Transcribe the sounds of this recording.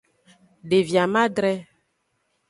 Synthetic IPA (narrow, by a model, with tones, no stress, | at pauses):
ɖe˨vja˨mã˦ɖɾɛ˦